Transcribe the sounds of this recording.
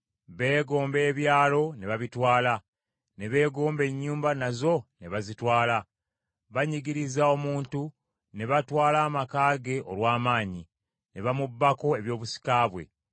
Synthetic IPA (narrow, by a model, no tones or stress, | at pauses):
βe̞ːɡo̞ːmbe̞ːβjaːlo̞ne̞βaβitwaːla | ne̞βe̞ːɡo̞ːmbe̞ɲːuːmbanazo̞ne̞βazitwaːla | βaɲiɡiɾizao̞muːntu | ne̞βatwaːlaːmakaːɡe̞ʔo̞̰lwaːmaːɲi | ne̞βamubːako̞e̞βjo̞ːβusi̥kaːβwe̞̰